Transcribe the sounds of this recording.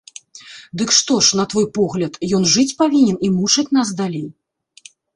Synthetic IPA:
d̪ɨkʂt̪ɔʂn̪ɐt̪vɔjpɔɣlʲɐt̪jɔn̪ʐɨt͡sʲpavʲinʲɛnimut͡ʂɐt͡sʲn̪asd̪alʲej

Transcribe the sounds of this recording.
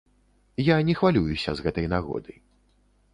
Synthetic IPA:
janʲɛxvalʲujusʲɐ̰zɣɛt̪ɐjnaɣɔ̰d̪ɨj

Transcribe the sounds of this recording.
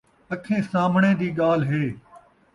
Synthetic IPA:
əkʰẽːsaːm̤ɳẽːd̪iːɠaːl̤ɦeː

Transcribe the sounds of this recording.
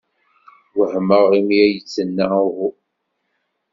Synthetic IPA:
wəhməʁimiæjət͡sːənːaʊhu

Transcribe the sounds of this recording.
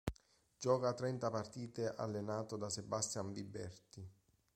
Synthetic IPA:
d͡ʒɔːkat̪ɾɛnt̪apart̪iːt̪eʔa̰lːenaːt̪od̪asebast̪jaɱvibɛ̰rt̪i

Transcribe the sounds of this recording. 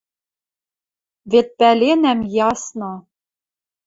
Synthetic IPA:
vet̪̚pælʲenæmjɑsnɤ

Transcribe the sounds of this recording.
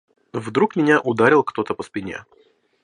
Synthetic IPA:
vd̪ɾukmʲɪnʲaʔʊd̪aɾʲɪlˠkt̪ot̪əpəspʲɪnʲḛ

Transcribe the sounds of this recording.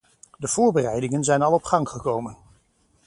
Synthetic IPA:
dəv̥ʊːɹbərɛjdɪŋənzɛjnɑlˠɔpχɑŋχəkowmən

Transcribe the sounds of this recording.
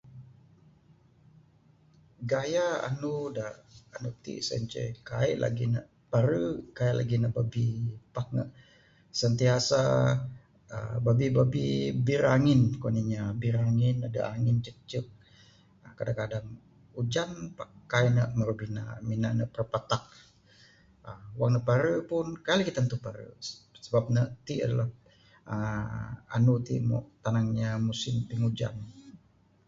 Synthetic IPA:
ɡajaa̰nudaːnut̪ḭʔsə̰ɲt͡ʃə̰jkaḭʔlʔa̰ɡinə̰ʔ | paɾəkaiʔla̰ɡinəʔbabipahk̚nə̰ʔ | sənt̪iasa | ə̰babibabibiɾaŋɪnkoniɲabiɾaŋɪnadə̰ʔaŋɪnt͡ʃək̚t͡ʃək̚ | əkadakadaŋ | ud͡ʒanpakajnəʔməɾubina̰minanəʔpərpat̪ak̚ | əwaŋnəpaɾəpʊnkalikit̪ant̪upaɾə̰səbap̚nəʔt̪ia̰dala | ə | a̰nut̪ḭmɔ̰ʔt̪anaŋɲamusɪmp̪iŋud͡ʒa̰n

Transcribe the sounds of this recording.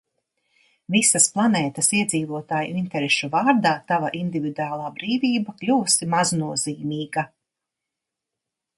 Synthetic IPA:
visɐsplˠanɛːt̪ɐsiɛd̪ziːvuɔt̪aːjuint̪ɛɾɛʃuvaːɾd̪aːt̪avaʔind̪ivid̪uaːlˠaːbɾiːviːbaklʲuːsimaznuɔziːmiːɡa

